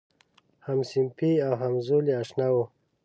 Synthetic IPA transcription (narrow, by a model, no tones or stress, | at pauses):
hamsimpiawɦamzuliaʂnawo